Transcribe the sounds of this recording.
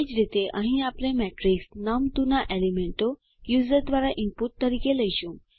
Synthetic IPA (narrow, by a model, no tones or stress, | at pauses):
id͡ʑɾit̪eʔə̃ɦĩaplẽmɛʈɾiksnamt̪unaʔelimeɳʈo | juzəɾd̪ʋaɾaʔimpuʈ̚t̪əɾikeləjɕũ